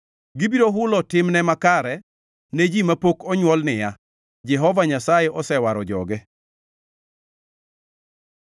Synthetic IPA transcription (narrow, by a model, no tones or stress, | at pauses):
ɡɪbiɾoɦʊlɔtɪmnɛmakaɾɛ | ned͡ʒimapokɔɲwɔlnɪja | d͡ʒɛɦɔvaɲasajɛʔɔsɛwaɾɔd͡ʒɔ̰ɡɛ